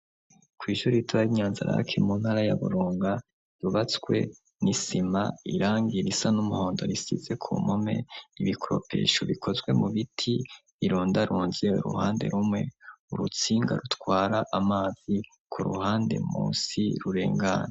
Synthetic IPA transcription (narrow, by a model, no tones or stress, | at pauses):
kwiːʃuɾituβaɾiɲaːnzaɾa̰a̰kʰemun̥haɾajaβṵɾuːŋɡa | ɾuβat͡skwe̞̰ | nisimaiɾaːŋɡiɾisanumuhoːndo̞ɾisḭze̞kʰṵːmome̞̰iβikʰoɾo̞̰pʰe̞̰ːʃoβiko̞zɡwe̞muβitʰiβiɾuːndaɾuːnzeṵɾṵhaːnde̞̰ɾumŋe̞uɾut͡siːŋɡa̰ɾutwaːɾaʔamaːz̥i | kʰuɾṵhaːnde̞̰mṵːsiɾuɾe̞̰ːŋɡa̰na